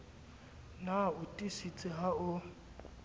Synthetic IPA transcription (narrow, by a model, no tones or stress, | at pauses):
naʊtʼisit͡sʼɪɦaʊ